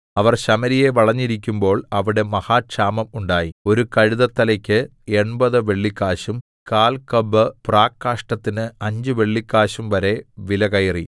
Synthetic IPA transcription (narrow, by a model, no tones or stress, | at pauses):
ɐʋɐrɕɐmɐɾije̞ʋɐɭɐɲːiɾik̬ʲːumbo̞ːɭɐʋiɽe̞mɐhaːʂaːmɐmuɳɖaːjio̞ɾukɐɻuðɐt̪ːɐlɐkʲːɨ | e̞ɳbɐðɨʋe̞ɭːikːaːɕum | kaːlkɐbɨpraːkːaːʂʈɐt̪ːinɨɐɲd͡ʑɨʋe̞ɭːikːaːɕumʋɐɾe̞ʋilɐkɐjri